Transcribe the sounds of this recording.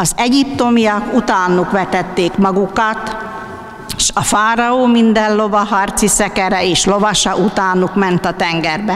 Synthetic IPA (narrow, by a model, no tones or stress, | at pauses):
ɒzɛɟipt̪o̞mijɒkut̪aːnukʋɛt̪ɛt̪ːeːkmɒɡukɒt̪ | ʃɒfaːɾɒoːmind̪ɛllo̞vɒɦɒrt̪sisɛkɛɾɛeːʃlo̞vɒʃɒʔut̪aːnukmɛnt̪ɒt̪ɛŋɡɛrbɛ